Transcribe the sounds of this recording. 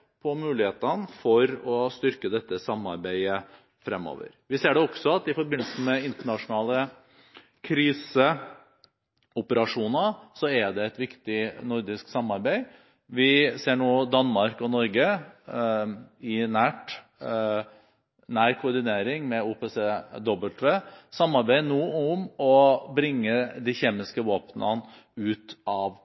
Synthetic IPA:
pʰɔmʉːlɪheːt̪ənfɔɾɔst̪ʏɾkəd̪ɛt̪ːəsɑmːɑɾbæɪə | fɾɛmːo̰ːʋə̰ɾʋɪseːɖɛɔksɔɑt̪ɪfɔɾbɪnːlsn̩mɛɪnt̪əɳɑʂʊnɑːlə | kʰɾiːsə | ʊpəɾɑʂuːnəsɔɛɖ̪ɛɛt̪ʋɪkt̪ɪnʊɾd̪ɪsksɑmːɑɾbæɪ | ʋɪseːɳoːd̪ɑnmɑɾkɔnɔɾɡə | ɪnæːʈ | næːɾkʰʊɾd̪ɪneːɾɪŋmɛuːpeːseːd̪ɔbəlt̪ʰʋeːsɑmːɑɾbæɪnoːʊmɔbɾɪŋːəd̪içeːmɪskəʋoːpnɑn | ʉːt̪ɑʋ

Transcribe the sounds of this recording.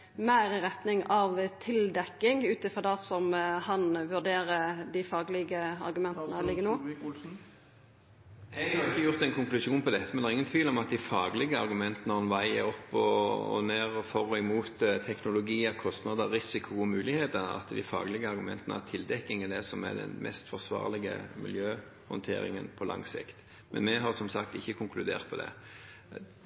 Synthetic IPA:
mæɪɾɪɾɛt̪nɪŋɑʋt̪ʰɪld̪ɛkːɪŋʉːt̪əfɔd̪æsɔmhɑnʋʉɖ̪eːɾəd̪ɪfɑːɡlɪɡəɑ̰ɾɡʉmɛnt̪ənəlɪɡːənoː | ɛɡhɑɾɪçːəjʊʁt̪ɛnkʰʊŋklʉʂuːnpʰɔd̪ɛt̪ːəmɛnɑʁɪŋːənt̪ʰʋiːlɔmɑt̪̚d̪ɪfɑːɡlɪɡəɑɾɡʉmɛnt̪ənəhɑnʋæɪə̰ɾɔpːɔ̰neːʁfɔʁɔɪmuːt̪t̪ʰɛknʊlʊɡiːəkʰɔst̪nɑd̪əɾɪsɪkʰʊɔmʉːlɪheːt̪ənɑ̰t̪d̪ɪfɑ̰ːɡlɪɡəɑɾɡʊmɛnt̪ənət̪ʰɪld̪ɛkːɪŋəd̪ɛsɔmæ̰d̪ɛ̰nmʔɛ̰st̪fɔʁsʋɑ̰ːʁlɪɡə̰mɪ̰ljøː | hɔ̰nt̪ʰḛːɾɪ̰ŋə̰npʰɔlɑ̰ŋːsɪ̰kt̪ | mɛ̰nmɛɦɑɾsɔmsɑkt̪ɪçːəkʰʊŋklʉd̪ḛːʁt̪̚pʰɔd̪ɛ̰

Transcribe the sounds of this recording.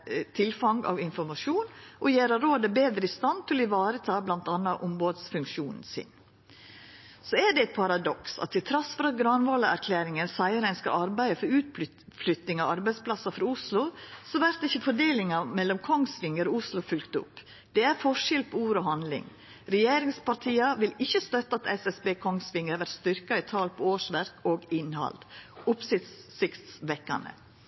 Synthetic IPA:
t̪ʰɪlfɑŋɡɑ̰ʋɪnfɔɾmɑʂuːnʔɔjeːɾəɾoːd̪əbeːd̪ɾəɪst̪ɑnt̪ʰɪlɪʋɑːɾət̪ʰɑːblɑnt̪ɑnːɑʔɔmboːd̪sfʉŋkʃuːnn̩sɪ̰n | sɔæɖɛæt̪̚pʰɑɾɑd̪ɔksɑ̰t̪ʰːɪlt̪ʰɾɑsfɔɾɑt̪̚ɡɾɑnʋoːləæɾkʰlæːɾɪŋənsæɪəɾæɪnskɑ̰lɑɾbæɪəfɔɾʉːt̪ | flʏt̪ɪŋɑɑɾbæɪspʰlɑsɑfɾɑʊslʊsɔʋæɾt̪ɪçːəfɔɖeːlɪŋɑmɛlːɔmkʰɔŋsʋɪŋəɾoʊslʊfʉlkt̪əʊ̰pː | d̪̥ɛæɾfɔʂɪlpʰɔuːɾɔːɦɑnd̪lɪ̰ŋ | ɾɛjeːɾɪŋspɑɾʈ̪ʰiːɑʋɪlɪçːəst̪œt̪ːɑɑt̪ɛsɛsbeːkʰɔŋsʋɪŋəɾʋæɾʈst̪ʏɾkɑɪt̪ʰɑːlpʰɔoːʂʋæɾkoːɡɪnhɑ̰ld̪ʊpsɪt̪ssɪkt̪sʋɛkːɑ̰nə̰

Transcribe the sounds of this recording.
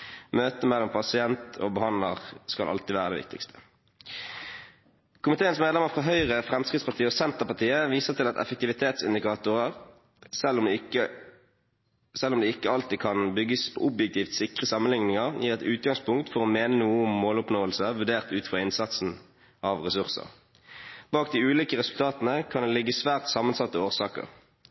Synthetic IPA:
møːt̪əmɛlːɔmpʰɑsɪɛnt̪ʰo̰ːbəhɑnd̪ləʁskɑ̰lʔɑ̰lt̪ɪʋæːʁəd̪ɛ̰ːʋɪ̰k̚t̪ɪ̰kst̪ʰə̥ | kʊmɪt̪ʰeːənsmeːd̪lɛməʁfʁɑɦœʏʁəfʁɛmskɪd̪spɑʁt̪ʰiːəɔsɛnt̪əʁpɑt̪ʰiːəʋiːsəʁt̪ɪlɑt̪ɛ̰fək̚t̪ɪʋɪt̪ʰeːt̪sɪnd̪ɪkʰɑːt̪ʊʁəʁ | sɛlmkə | sɛlːʊmd̪ɛːɪkːəɑlt̪iːkʰɑnbʏɡːəspʰo̰ːʔʊbjɛk̚t̪ʰiːft̪sɪkʁəsɑmənlɪŋnɪŋəʁjʔiːʁɛt̪ʉːt̪̚ɡɑŋspʊŋkt̪fɔʁomeːnənuːəʊmːoːlʊpnoːəlsəʋʉɖeːʁt̪ʉːt̪̩fʁɑɪnsɑt̪sn̩ | ʔɑʋʁɛsʉʁsə̰ʁ | bɑːkd̪iːʉːliːkəʁɛsʉlt̪ʰɑːt̪nəkʰɑnd̪ɛlɪɡːəsʋæːʁt̪sɑːmənsɑt̪ːəoːʁsɑ̰ːkə̰ʁ

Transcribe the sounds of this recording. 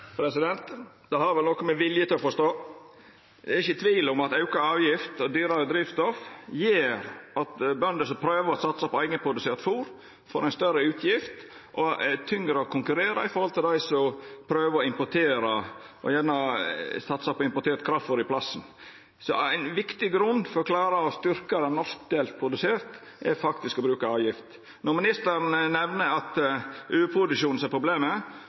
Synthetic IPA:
pʰɾɛsɪd̪ɛnt̪ | d̪ɛhɑɾʋɛlnɔkɔmɛʋɪljət̪ɪlɔfɔst̪oː | d̪ɛɛɾɪçːət̪ʰʋiːlʊmɑt̪ɑʉkɑɑːʋjɪft̪ɔd̪yːɾɑɾəd̪ɾiːʋst̪ɔfjeːɾɑt̪bœnd̪əsɔpʰɾøːʋəɾɔsɑt̪sɑpɔæɪɡənpʰɾʊd̪ʉseːɾt̪fuːɾ | fɔɾæɪnst̪œɾəʉːt̪ʰjɪft̪ | ʔɔt̪ʰʏŋɾəɔkʰʊŋkʉɾeːɾɑ̰ɪfɔɾhɔlt̪ʰɪld̪æɪsɔmpʰɾøːʋɔɪmpɔʈʰeːɾɑ | ʔɔ̰jæːnəsɑt̪ːsɑpɔɪmpɔʈ̪ʰeːɾt̪kʰɾɑfɔɾɪpʰlɑsn̩ | sɔ̰æɪnʋɪkt̪ɪɡɾʉnd̪fɔɾɔklɑːɾɑɔst̪ʏɾkɑd̪ænɔsk̚d̪eːlt̪̚pʰɾʊd̪ʉseːɾt̪ | ʔɛɾfɑkt̪ɪskɔbɾʉːkɑɑːʋjɪft̪ | nɔɾmɪnɪst̪əɾnnɛʋnəɑt̪ʔʉːʉpʰɾʊd̪ʉʃuːnn̩sɛpʰɾʊbleːmə

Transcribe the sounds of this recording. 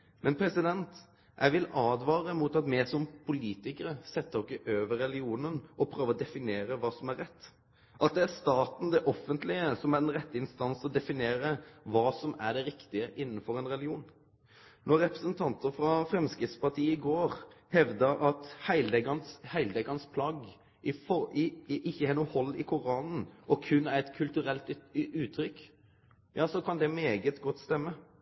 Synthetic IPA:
mɛnpʰɾɛsɪd̪ɛnt̪ | jʔæ̰ɪʋɪlɑːd̪ʋɑːɾəmut̪ɑt̪mɛsɔmpʰʊliːt̪ɪkəɾəsɛt̪ːəɔkɪʔøːʋəɾːɛlɪuːnənʔɔpʰɾøːʋəɔd̪ɛfɪneːɾəʋɑːsɔmæɾːɛt̪ː | ʔɑt̪̚d̪ɛæɾst̪ɑːt̪n̩d̪ɛʔɔfənt̪lɪəsɔmæɾɛnɾɛt̪ːəɪnst̪ɑnsɔd̪ɛfɪneːɾəʋɑːsɔmæɖɛɾɪkt̪ɪəʔɪnːn̩fɔɾɛnɾɛlɡɪuːn | nɔɾːɛpɾəsənt̪ʰɑnt̪əɾfɾɑfɾɛmskɾɪftspɑʁt̪ʰiːəɪɡoːɾhɛʋd̪əʔɑt̪hæɪld̪ɛɡɑnshæɪld̪ɛɡɑnspʰlɑɡ | ʔɪfɔɪʔɪçːəhɛnuhɔlːɪkʰʊɾɑːnn̩ʔɔkʰʉnːææɛt̪kʰʉlt̪ʉɾɛlt̪ʉːt̪ʰɾʏkː | jʔɑːsɔkʰɑnd̪ɛmeːɡət̪ɡɔt̪ːst̪ɛmːə

